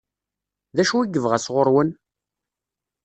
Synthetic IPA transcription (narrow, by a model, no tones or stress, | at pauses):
ðæʃuiɡəvʁæsʁʊɾwən